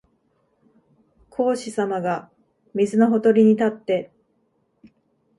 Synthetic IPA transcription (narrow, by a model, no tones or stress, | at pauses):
kʰo̞ːɕisamaɡa | mʲizɨno̞ɦo̞t̪o̞ɾʲiɲ̟it̪at̪ːe̞